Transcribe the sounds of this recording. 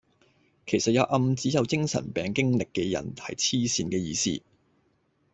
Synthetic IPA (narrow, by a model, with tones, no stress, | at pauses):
kʰe˨˩jsɐ˨t̚jɐ˨˧wʔɐ˧mt͡siː˨˥jɐ˨˧wkɪ˥ŋsɐ̰˨˩npɛː˨˧ŋkɪ˥ŋlɪ˨kːɛ˧jɐ̰˨˩nʰɐ̰˨˩jt͡sʰiː˥siː˧nkɛː˧jiː˧sḭː˥